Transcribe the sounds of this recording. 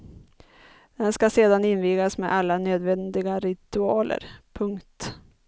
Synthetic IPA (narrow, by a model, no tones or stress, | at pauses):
d̪̥ɛnskaseːd̪anɪnviːɡasmḛːd̪ʔalːanøːd̪vɛnd̪ɪɡaɾɪt̪ɵɑːlʔə̰ɾpʰɵŋkt̪